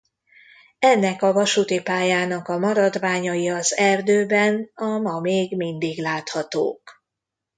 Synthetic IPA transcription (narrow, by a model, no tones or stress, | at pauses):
ɛnːɛkɒvɒʃut̪ipaːjaːnɒkɒmɒɾɒd̪vaːɲɒjiɒzɛrd̪øːbɛnɒmɒmeːɡmind̪iɡlaːt̪hɒt̪o̰ːk